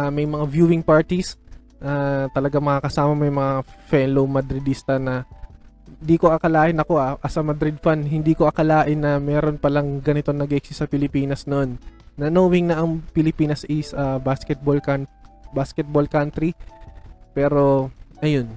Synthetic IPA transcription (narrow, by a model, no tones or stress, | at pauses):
ʔɐmɐjmɐŋavjuːwɪŋpaɹt̪is | ʔat̪ɐlɐɡaŋmɐkakɐsaːmɐmɐjʊmɐŋafɛnlowmɐd̪ɾɪd̪ist̪ɐnɐ | nd̪iːko̞ʔɐkɐlaːʔɪnɐko̞ʔaʔɐsɐmɐd̪ɾɪd̪̚fanhɪnd̪iːkoʔɐkɐlaːʔɪnːɐmɛːɾo̞npɐlɐŋɡɐnɪt̪o̞ŋnɐɡʔɪksɪsɐpɪlɪpiːnɐsnoʔonːɐnoːwɪŋnɐʔɐŋpɪlɪpiːnɐsʔɪsɐbaskɛt̪̚bolkanbaskɛt̪̚bolkant̪ɾi | pɛːɾo̞ʔɐjo̞n